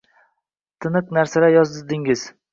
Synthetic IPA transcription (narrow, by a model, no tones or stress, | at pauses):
t̪ʰɨnɨqnaɾsalajɒzɪzd̪ɪŋɪz̥